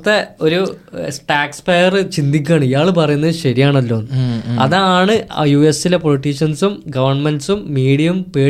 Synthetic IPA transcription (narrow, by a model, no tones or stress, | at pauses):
t̪ːeo̞ɾusʈaːkspejɐrɨt͡ɕind̪ikʲːaːɳɨijaːɭɨpɐrɐjunːɐðɨɕɐɾijaːɳɐlːo̞ːnɐ̰ðaaːɳɨjuːe̞sile̞po̞liʈːiʂɐnsumɡɐʋɐrɳmenɖsumːiːɽijɐumpeː